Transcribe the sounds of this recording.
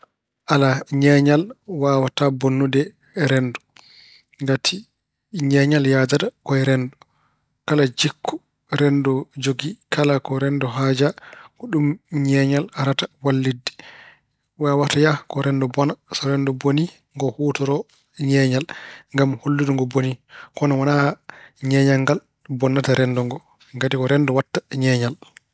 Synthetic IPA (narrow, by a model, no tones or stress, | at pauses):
ʔalaɲɛɲalwaːwatabonːudɛ | ɾɛndɔ | ŋɡatʰi | ɲɛɲaljadadakɔɛɾɛndɔ | kalad͡ʒikʰːɔ | ɾɛndɔd͡ʒoɡikʰalakɔɾɛndɔɦaːd͡ʒaɡɔɗumɲɛːɲalaɾatawalːidːi̥ | wawatajakɔɾɛndɔbɔnasɔɾɛndɔboni | ŋɡɔhuːtɔɾɔ | ɲɛɲalŋɡamholːiduŋɡɔbonikɔnawanaɲɛɲaŋɡal | bɔnːataɾɛndɔŋɡɔ | ɡatikɔɾɛndɔwatːḁɲɛːɲal